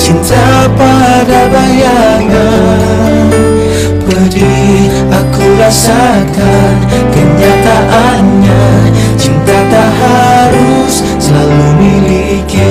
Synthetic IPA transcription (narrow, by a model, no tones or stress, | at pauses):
t͡ʃint̪a | pa | dabajaŋa | pəɾi | akuɾasa | kan | kəɲat̪aʔanɲa | t͡ʃint̪at̪aɦaɾusːəlalumili | ki